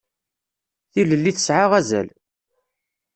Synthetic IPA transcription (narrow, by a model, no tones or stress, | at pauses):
θiləlːiθə̥sʕaʁæzæ̰l